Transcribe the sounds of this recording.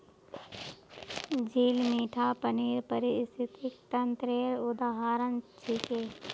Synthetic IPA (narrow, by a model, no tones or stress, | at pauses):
d͡ʒiːlmiːʈʰaːpəniːɾpəɾɪst̪ʰɪt̪ɪkt̪ənt̪ɾeːɾʊd̪aːɦaːɾənt͡ʃʰikeː